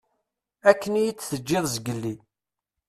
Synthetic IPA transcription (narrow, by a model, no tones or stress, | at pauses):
ækːənijit͡sːθəd͡ʒːɪðˤzəɡəlːi